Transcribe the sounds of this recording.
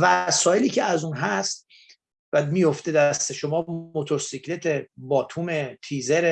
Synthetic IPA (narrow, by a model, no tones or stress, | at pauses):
væsɒːjeliːcʰeæzuːnɦæst̪ | væmiːjo̞ft̪ed̪æst̪eʃo̞mɒːmot̪ʰo̞ɾsicʰlet̪ʰebɒːt̪ʰuːmet̪ʰizeɾe